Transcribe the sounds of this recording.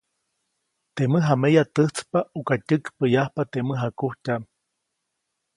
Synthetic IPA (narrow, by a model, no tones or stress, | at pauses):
t̪eməɦamejat̪ɨht͡spaukatʲɨkpəjahpat̪eməɦakuhcam